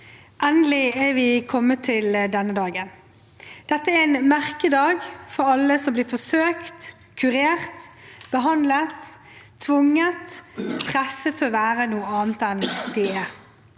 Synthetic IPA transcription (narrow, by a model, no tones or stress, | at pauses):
ʔɛnd̪əlɪɛʋɪkʰɔmːət̪ʰɪld̪ɛnːəd̪ɑːɡən | d̪̥ɛt̪ːəæɾæɪnmæɾkəd̪ɑːɡfɔɾɑlːəsɔmblɪfɔsøːkt̪ | kʰʉɾeːʁt̪b̥əɦɑnd̪lət̪ʰː | ʋʊŋːət̪pʰʁɛsət̪ʰɪɔʋæːɾənuːəɑːnt̪ɛnd̪ɛɛɾ